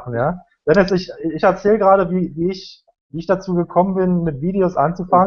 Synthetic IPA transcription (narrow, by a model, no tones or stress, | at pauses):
n̩jaː | v̥ɛnjɛsɪçɪçɛɐt͡sɛːləɡʁaːɾəviːviːɪç | viːɪçd̥at͡suːɡəkʰɔmənbɪnmɪtv̥iːdeosʔa̰nt͡sufaŋə